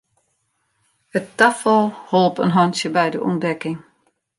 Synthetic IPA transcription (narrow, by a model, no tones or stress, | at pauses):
həttafəlˠholˠpə̰nɦɔnsjəbɛjdəʔṵndɛkɪŋ